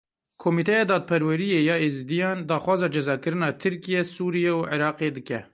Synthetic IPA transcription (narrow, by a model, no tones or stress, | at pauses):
kʰomiːt̪ʰɛjɑːd̪ɑːd̪̚pʰɛɾwɛɾijeːjɑːeːzd̪ijɑːnd̪ɑːxwɑːzɑːd͡ʒɛzɑːkɨɾɨnɑːt̪ʰɨɾkijɛsuːɾijɛuʕeɾɑːqeːd̪ɨkɛ